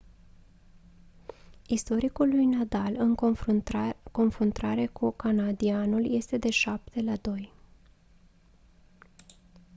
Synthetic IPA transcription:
ist̪o̞ɾikulːujnad̪alɨŋ | ko̞nfɾunt̪aɾe̞kukanad̪ianulje̞st̪e̞d̪e̞ʃap̚t̪e̞lad̪o̞j

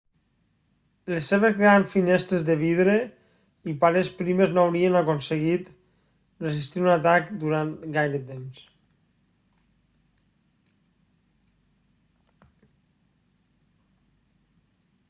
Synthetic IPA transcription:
lesːeβezɣɾansfinɛst̪ɾezðeβiðɾe | ipaɾespɾimeznawɾienakonseɣit̪ | rezist̪iunat̪akd̪uɾant̪ɡajɾet̪ems

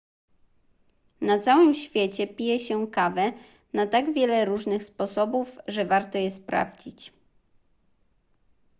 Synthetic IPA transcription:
nat̪sawɘmɕfʲjɛt͡ɕɛpʲijɛɕɛkavɛ | nat̪aɡvʲjɛlɛɾuʐnɘxspɔsɔbufʐɛvaɾt̪ɔjɛspɾa̰vd͡ʑit͡ɕ

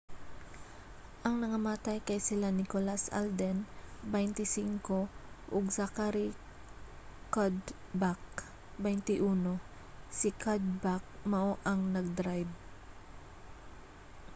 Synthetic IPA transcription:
ʔɐŋnɐŋɐmaːt̪ajkɐjsɪlanɪkolasa̰ld̪ɛnbɛjnt̪ɪsiŋkoʔoɡsakaɾi | kad̪ | bak̚ | bɛjnt̪ɪʔuːno̞ | sɪkʰad̪̚bak̚mɐʔoʔɐŋnɐɡ̚d̪ɾajb̚

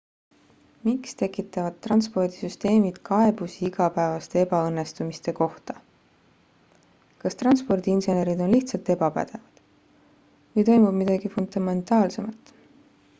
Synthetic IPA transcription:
mikst̪e̞kˑit̪ːˑɑvɑd̪̥̚t̪ːrɑnspo̞rd̪isyst̪e̞ːmid̪̥kʰɑe̞busiiɡ̥ɑpæevɑst̪e̞e̞bɑɤnːe̞st̪umist̪e̞ko̞ht̪ɑ | kɑst̪rɑnspo̞rd̪̥iinse̞ne̞ɾid̪o̞nliht̪sɑlt̪e̞bɑpæ̰d̪̥e̞vɑd̪̥ | vɤjt̪o̞jmub̥mid̪ɑɡ̥ifund̪ɑme̞nt̪ˑɑːlse̞mɑt̪ˑ

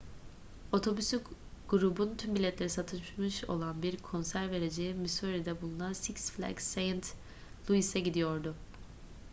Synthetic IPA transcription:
o̞t̪ʰo̞bysyɡ̥uɾubunt̪ʰynbilʲɛt̪lʲeɾisat̪ʰɯʃmɯʃo̰lˠanbiɾkʰo̞nsæɾve̞ɾe̞d͡ʒejimisuɾid̪ɛbulˠunansiksflʲæ̰ksejnt̪ | lˠuisɛɟid̪ijo̞ɾd̪ʊ

